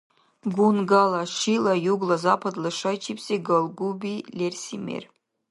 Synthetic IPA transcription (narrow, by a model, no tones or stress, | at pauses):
ɡunɡalɐʃilɐjuɡlˠɐzapʰɐd̪lˠɨʂɐjt͡ʃʰipseɡɐlˠɡubilʲersʲimḛr